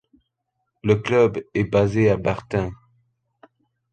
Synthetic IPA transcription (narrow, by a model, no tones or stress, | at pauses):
ləklœbɛbazeabaʁt̪ɛ̃